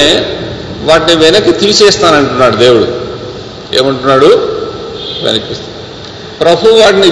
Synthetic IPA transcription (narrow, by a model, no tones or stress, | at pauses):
e | ʋaːʈiniʋɛnɐkːit̪iːt͡ʃɛːst̪aːnɐɳʈunːaːɽud̪e̞ːwuɽṵ | ḛːmɐɳʈunːaːɽu | ʋɛ̰nɐkːist̪ː | pɾɐbʱuʋaːʈini